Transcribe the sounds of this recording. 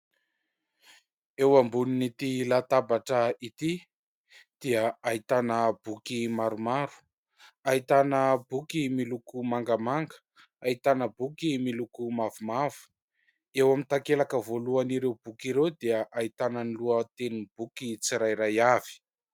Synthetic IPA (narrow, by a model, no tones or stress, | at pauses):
ewambuninit̪ilat̪abaʈ͡ʂəit̪i | d̪̥iəait̪anəbukimaɾumaɾu̥ | ait̪anəbukimilukumaŋɡəmaŋɡə̥ | ait̪anəbukimilukumavumav̥u̥ | ewamint̪akelakəvoluaniɾewbukiɾewd̪iəʔait̪anəniluət̪enib̥ukit͡siɾajɾajav̥i̥